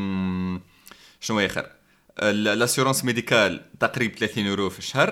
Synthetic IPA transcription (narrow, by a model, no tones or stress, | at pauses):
ʃnwæxə̰ɾ | əllæsyɾɑ̃smed̪ikælt̪ɑqɾib̚t̪læt̪inʔuɾofiʃhəɾˤ